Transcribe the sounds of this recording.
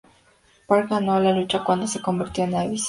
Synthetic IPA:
paɾkɡano̞lalut͡ʃakwand̪o̞se̞ko̞mbiɾt̪jo̞enaβis

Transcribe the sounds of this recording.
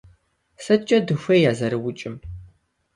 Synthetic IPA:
sɐt͡ʃʼɐdɨxʷɐjaːzɐɾɨwʊt͡ʃʼɪm

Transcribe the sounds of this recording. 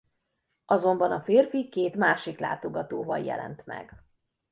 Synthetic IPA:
ɒzo̞mbɒnɒfeːrfikeːt̪maːʃikla̰ːt̪o̞ɡɒt̪oːvɒjjɛ̰lɛ̰nt̪mɛ̰ɡ

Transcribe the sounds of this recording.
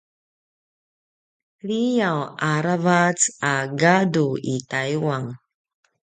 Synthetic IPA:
ɭijawaɾavat͡saɡaduitajuwaŋ

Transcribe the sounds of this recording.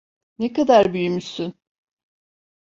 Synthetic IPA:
nekad̪aɾbyjymysyn

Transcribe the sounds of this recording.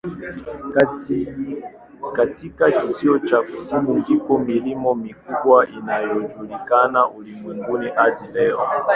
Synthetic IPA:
katikakisiɔt͡ʃaku̥simuŋɡikɔmilimɔmikuɓwaʔinajɔd͡ʒulikanaʔulimwɛŋɡuniʔadilɛɔ

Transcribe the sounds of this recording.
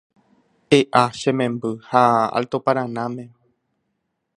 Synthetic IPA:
heʔaʃẽmẽ̞mbɨhaa̰lt̪opaɾ̃ãnãmẽ

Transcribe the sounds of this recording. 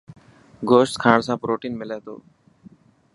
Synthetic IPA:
ɡoːʃʈ̪kʰãːɽsãːpɾoːʈiːnmɪlɛːt̪o̰ː

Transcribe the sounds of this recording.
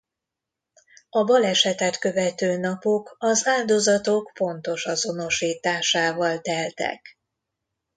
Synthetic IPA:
ɒbɒlɛʃɛt̪ɛt̪kø̞vɛt̪øːnɒpo̞kɒzaːld̪o̞zɒt̪o̞kfo̞nt̪o̞ʃɒzo̞no̞ʃiːt̪aːʃaːvɒlt̪ɛlt̪ɛ̰k

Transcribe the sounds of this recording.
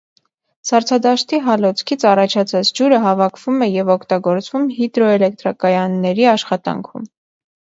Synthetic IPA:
sɑɾt͡sʰɑd̪ɑʃt̪iɦɑlɔt͡sʰkʰit͡sʰɑrɑt͡ʃʰɑt͡sʰɑt͡sʰd͡ʒuɾəɦɑvɑkʰv̥umɛjɛvɔkʰt̪ɑɡɔɾt͡svumɦid̪ɾɔɛlɛk̚t̪ɾɑkɑjɑnːɛɾiɑʃχɑt̪ɑ̰ŋkʰṵm

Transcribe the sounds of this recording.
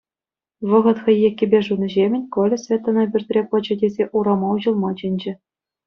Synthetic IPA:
ʋɤ̆ʁɤ̆t̪xʲɘ̆jekʲːɘ̆bʲeʐunɤ̆ʑemʲɘ̆nʲkolʲɘ̆sʲvʲet̪ːɑ̆nɑbʲyrʲt̪ʲrʲepɤ̆t͡ɕɤ̆dʲezʲeʔuɾɑmɑuʑɤ̆lˠmɑd͡ʑĕnʲd͡ʑɘ̆

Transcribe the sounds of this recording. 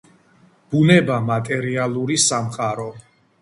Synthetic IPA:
b̥unɛbamat̪ʼɛɾialˠuɾisamqʼaɾɔ

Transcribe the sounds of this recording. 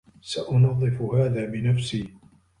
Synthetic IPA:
saʔʊnɑðˤːɨfʊhaːðaːbɪnafsiː

